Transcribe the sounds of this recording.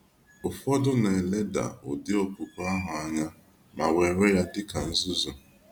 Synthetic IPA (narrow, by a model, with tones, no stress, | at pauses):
ʊ˨fɔ˦dʊ˦ne˨e˨le˦da̰˨ʊ̰˨dɪ˦o˦pu˨ka˦ɦʊ˨a˦ɲa˦ | ma˨we˨ɾe˦ja˦dɪ˦ka˨n̩˦zʊ˦zɔ˨